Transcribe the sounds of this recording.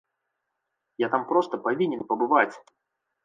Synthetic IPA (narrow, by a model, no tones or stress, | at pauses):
jat̪ampɾo̞st̪əpɐvʲinʲɪnpəbɨvat͡sʲ